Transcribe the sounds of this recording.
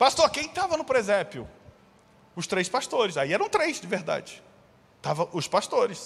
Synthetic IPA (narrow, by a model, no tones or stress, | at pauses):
past̪oɾkẽj̃t̪avɐnʊpɾezɛpjʊ̰ | ʊst̪ɾejspast̪oɾɪsaiɛɾɐ̃t̪ɾejzd͡ʒɪveɾd̪a̰d͡ʒɪ | t̪avɐ̃ʔʊspast̪oɾɪs